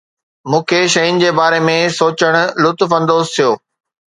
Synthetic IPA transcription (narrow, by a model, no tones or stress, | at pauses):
mũːkʰeʃɐjʊnɪ̆d͡ʑeːbaːɾemẽsoːt͡ɕəɽ̃ʊ̆lʊt̪fɐ̃nd̪oːzt̪ʰijoː